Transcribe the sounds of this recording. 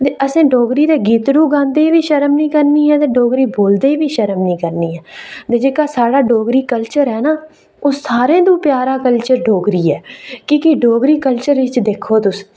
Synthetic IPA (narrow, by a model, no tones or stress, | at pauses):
t̪eːʔəsẽːɖoːɡɾiːd̪eːɡiːt̪ɽũːɡãːnd̪eːiʋiːʃəɾəmnĩːkəɾniːɦɛːt̪eːɖoːɡɾiːboːld̪eːiʋiːʃəɾəmnĩːkəɾniːɦɛːt̪eːd͡ʒeːkaːsaːɽaːɖoːɡɾiːkəlt͡ʃəɾɦɛːnaː | oːsaːɾẽːd̪ũːpjaːɾaːkəlt͡ʃəɾɖoːɡɾiːɛːkiːkɪɖoːɡɾiːkəlt͡ʃəɾɪt͡ʃd̪eːkʰːoːt̪ʊs